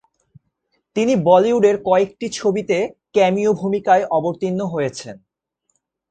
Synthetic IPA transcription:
t̪inibɔliuɖeɾkɔek̚ʈit͡ɕʰobit̪ekɛmiobʱumikaeʔɔboɾt̪inːoɦojet͡ɕʰen

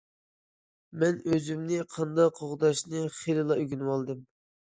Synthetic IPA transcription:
mɛnøzymnɪqʰɑnd̪ɑqʰːoʁd̪ɑʃnɨχelɨlˠɑyɡʲynwɑlˠd̪ɨm

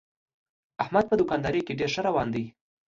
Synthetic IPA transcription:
ahmad̪̚pəd̪ʊkɑnd̪ɑɾikeɖeɾʂəɾawɑnd̪əj

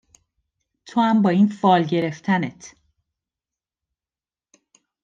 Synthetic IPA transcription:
t̪ʰohæmbɒːiːnfɒːlɟe̞ɾe̞ft̪ʰænet̪ʰ

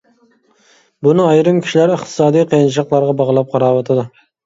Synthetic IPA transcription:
bunɨɑjɾɨmkʲʰi̥ʃilæɾəχt̪ʰɨ̥sɑːd̪ijqʰejnt͡ʃʰqlˠɑɾʁɑbɑʁlˠɑp̚qʰɑɾɑːwɑt̪ʰɨd̪u

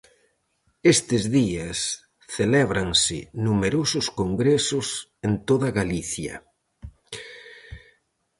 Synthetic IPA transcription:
est̪ɪzðiɐs | θelɛβɾaŋsɪnumeɾosʊskoŋɡɾesʊsent̪oðɐɣaliθjɐ̰

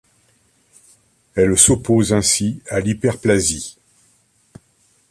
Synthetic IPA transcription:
ɛlsopozɛ̃sialipɛʁplazi

